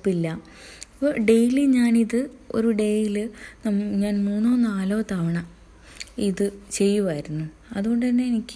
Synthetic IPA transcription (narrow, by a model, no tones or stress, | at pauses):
pːilːɐ | pːoɖe̞jiliɲaːniðɨ | o̞̰ɾuɖe̞jilɨnːɲaːnmuːnːoːnːaːloːt̪aːʋɐɳɐ | iðɨt͡ɕe̞jːuʋɐjɾunːu | ɐðuɣo̞ɳɖɨt̪ɐnːe̞enikʲːɨ